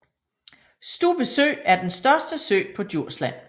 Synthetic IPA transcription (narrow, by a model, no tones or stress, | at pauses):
sd̥ṵːb̥əsø̰ːæɐd̥ensd̥ɶɐsd̥əsø̰ːpʰɒ̽d̥jo̝ɐ̰slæn̰